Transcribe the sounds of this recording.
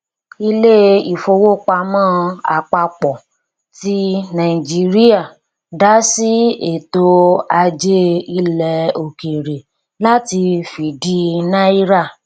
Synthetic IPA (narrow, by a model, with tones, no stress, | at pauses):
i˧le˦i˨fo˧wo˦k͡pa˧mãː˦a˨k͡pa˧k͡pɔ˨ | ti˦nã˨i˨d͡ʒi˦ɾi˦a˦˨ | da˦si˦e˨to˧a˧d͡ʒe˦i˦lɛ˧o˨ke˨ɾe˨ | la˦ti˧fi˨di˦nã˦i˦ɾa˦˨